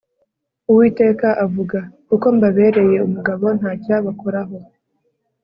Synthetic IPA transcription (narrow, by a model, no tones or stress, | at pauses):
uwiːte̞ːkaʔavuɡakuko̞mbaβe̞ːɾe̞je̞umuɡaβo̞n̥haːcaːβakoɾaɦo̞